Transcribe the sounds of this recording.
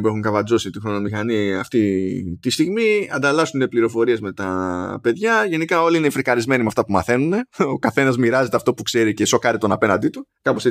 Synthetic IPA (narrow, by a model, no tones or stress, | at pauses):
pue̞xuŋkɐvɐzo̞sit̪ixɾo̞no̞mixɐniɐft̪it̪ist̪iɣmiɐ̰nd̪ɐlɐsune̞pliɾo̞fo̞ɾie̞zme̞t̪ɐpe̞ðʝɐʝe̞nikɐo̞liinefɾikɐɾizme̞nimeɐft̪ɐpumɐθe̞nune̞o̞kɐθe̞nɐzmiɾɐze̞t̪e̞ɐft̪o̞pukse̞ɾiceso̞kɐɾit̪o̞nɐpe̞nɐnd̪it̪ukɐpose